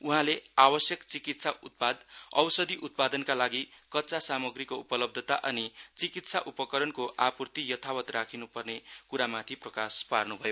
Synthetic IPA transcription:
uɦãleawʌsjʌkt͡sikit̪saut̪̚pad̪ʌ̰wsʌd̪iʔut̪̚pad̪ʌnkalaɡikʌtːt͡sasamʌɡrikoupʌlʌb̚d̪ʱʌt̪aʔʌnit͡sikit̪saʔupʌkʌɾʌnkoʔapurt̪ijʌt̪ʰawʌt̪rakʰinupʌrnekuɾamat̪ʰiprʌkasparnubʱʌjo

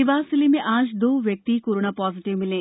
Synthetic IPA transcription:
iʋaːsilimiʔaːʃd̪uːʋjɐk̚t̪ikuɾuɳapaːziʈiʋmile

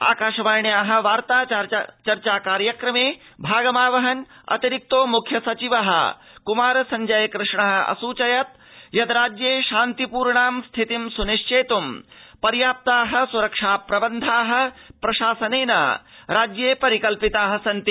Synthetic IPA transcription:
a̰ːkaːʃɐʋaːɾɳjaːɦɐ̆ʋaːɾt̪aːt͡ʃɐɾt͡ʃaːkaːɾjɐkɾɐmeːbʱaːɡɐmaːʋɐɦɐn | ɐ̰t̪iɾik̚t̪oːmukʰjɐsɐt͡ʃiʋɐɦɐ̰kumaːɾɐsɐɲd͡ʒɐjkɾɨʂɳɐɦɐ̆ɐ̰suːt͡ʃɐjɐt̪ | jɐd̪ɾaːd͡ʒjeːʃaːnt̪ipuːɾɳaːmst̪ʰit̪imsuniʂt͡ʃeːt̪umpɐɾjaːp̚t̪aːɦɐ̆suɾɐkʂaːpɾɐbɐnd̪ʱaːɦɐ̆pɾɐʃaːsɐneːnɐ̰ɾaːd͡ʒjeːpɐɾikɐlpit̪aːɦɐsɐnt̪i

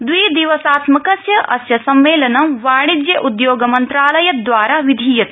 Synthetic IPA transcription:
d̪wiːd̪iʋɐsaːt̪mɐkɐsjɐʔɐsjɐsɐmːeːlɐnɐmʋaːɽ̃id͡ʒ̪jɐʔud̪joːɡɐmɐnt̪ɾaːlɐjɐt̪̚d̪ʋaːɾaʋid̪ʱiːjɐt̪

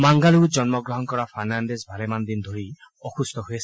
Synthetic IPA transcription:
maŋɡalud͡ʒɔnmɔɡɹɔɦɔnkɔɹapʰanandezbʱalemand̪ind̪ʱoɹi | ɔxust̪ʰɔɦojɛsʰ

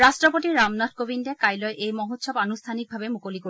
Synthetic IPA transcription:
ɾasʈɾopoʈiɾamnat̚kobinɖekajlɔeʔejmɔɦot̪ːʃʰɔbanust̪ʰanik̚bʱabemukoliko

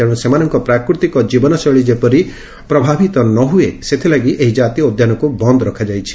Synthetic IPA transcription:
aɽ̃ũsemanɔŋkɔpɾakɾut̪ikɔd͡ʒibɔnɔsɔɭid͡ʒepɔɾi | pɾɔbʱabʱit̪ɔnɔɦueset̪ʰilaɡiʔeɦid͡ʒat̪iɔod̪janɔkubɔnd̪ɔɾɔkʰad͡ʒajt͡ʃʰi̥

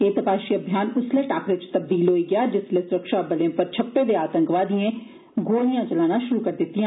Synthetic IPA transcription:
eːt̪əpaːʃiːəbʱjaːnʊsleːʈaːkɾɪt͡ʃt̪əb̚d̪iːlɦoːiːɡɪjaːd͡ʒɪsleːsʊɾəkʃaːbəleãːpəɾt͡ʃʰəpːeːd̪eːaːt̪ə̃ŋkʋaːd̪iẽː | ɡoːɽɪjãːt͡ʃəlaːnãːʃʊɾuːkəɾd̪ɪt̪ːɪjãː

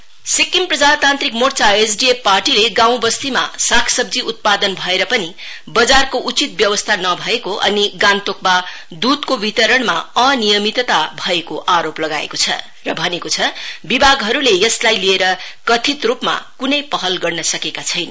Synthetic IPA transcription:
sikːimprʌd͡zat̪ant̪rɾikmort͡saesɖiepːarʈileɡãw̃bʌst̪ima̰sakʰsʌb̚d͡ziʔut̪̚pad̪ʌnbʱʌeɾʌpʌni | bʌd͡zarkoʔut͡sit̪̚bjʌwʌst̪ʰanʌbʱʌekoʔʌ̰niɡant̪ok̚ba | d̪ud̪kobit̪ʌɾʌɳma̰ʌnijʌmit̪t̪abʱʌekoʔaɾoplʌɡa̰ḛkot͡sʰʌ̰ | rʌbʱʌnekot͡sʰʌbibʱaɡɦʌɾulejʌslajlieɾʌkʌt̪ʰit̪rupma̰kunʌjpʌɦʌlɡʌrnʌsʌkekat͡sʰʌjnʌ

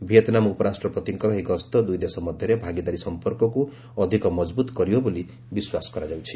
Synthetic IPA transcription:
bʱet̪namupʌɾasʈrʌpʌt̪iŋkʌɾʌɦikʌst̪ʌd̪ujd̪esʌmʌd̪ʱjeɾebʱaɡid̪aɾisʌmpʌrkɔku | ʌd̪ʱikʌmʌd͡zbut̪ɡʌɾijoboli | biswaskʌɾad͡zawt͡sʰi̥

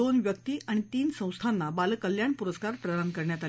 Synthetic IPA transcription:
onʋjək̚t̪iːaɽ̃it̪iːnsə̃w̃st̪ʰanːabalkəljaɳpuɾəskaɾpɾəɾəŋɡkəɾɳjat̪al

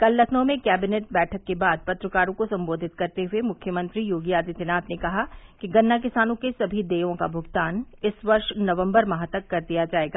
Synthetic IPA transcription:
kɐlːɐkʰnõmẽkɛːbɪneːʈ̚bɛːʈʰəkːebaːd̪̚pɐt̪ɾəkaːɾõkosɐ̃mboːd̪ʱɪt̪kɐɾt̪eɦʊemʊkʰjəmɐ̃nt̪ɾijoːɡijaːd̪it̪ɪnaːt̪nekɐɦakiɡɐnːak̬ɪsaːnõkesɐbʱid̪eːõkabʱʊɡt̪aːnɪsʋɐɾʃnɐʋə̃mbəɾmɐɦət̪əkːɐɾd̪ijad͡ʒaːeːɡaː

